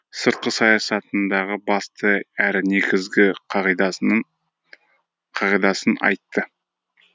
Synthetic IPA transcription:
səɾt̪̚qəsɑjɑsɑt̪ənd̪ɑʁəbɑst̪əæɾɪne̞kʲɪzɡʲɪqʰɑʁid̪ | qʰɑʁijd̪ɑsənɑ̰jt̪ːə

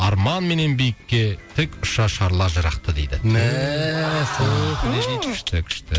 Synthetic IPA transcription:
ɑɾmɑnme̞ne̞nbijɪkʲːe̞t̪ʰɪkʊʃɑʃɑɾlˠɑʒəɾɑq̚t̪əd̪ḛjd̪ɪæ | solbɪned̪ejɪkʰʲɪ̥ʃt̪ɪkʲʰʏ̥ʃt̪ɪ

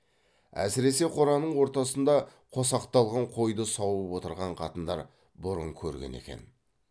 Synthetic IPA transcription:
æ̰sɪɾe̞se̞qʰoɾɑnəɴwo̞ɾt̪ɑsənd̪ɑqʰo̞sɑqt̪ɑlˠʁɑɴqʰo̞jd̪əsɑwəpwo̞t̪əɾʁɑɴqʰɑt̪ənd̪ɑɾ | bʊɾəŋkʲʰɵɾɡʲḛne̞̰kʲe̞̰n

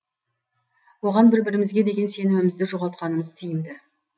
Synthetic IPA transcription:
wo̞ʁɑnbɪɾbɪɾɪmɪzɡʲe̞d̪e̞ɡʲe̞nse̞nɪmɪmɪzd̪ɪʒo̞ʁɑlˠt̪qɑnəməzt̪ʰijɪmd̪ɪ

